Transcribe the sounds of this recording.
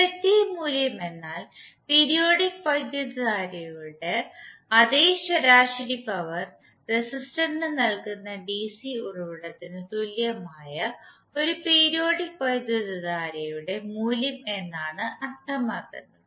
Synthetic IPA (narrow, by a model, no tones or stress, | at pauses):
pɾɐt̪ːijɐmuːljɐme̞nːaːlpeːɾijo̞ːɽikpɐjd̪iðɐðaːɾɐjuɽe̞ɐd̪eːɕɐɾaːʂlipɐʋɐr | resistɐɳɖɨnɐlkunːɐɖisiuɻuʋiɽɐt̪ːinɨt̪uljɐmaːjɐ | o̞ɾupeːɾijo̞ːɽik̚pɐjd̪iðɐðaːɾɐjuɽe̞muːljɐme̞nːaːɳɨʔɐrt̪ʰːɐmaːkːunːɐ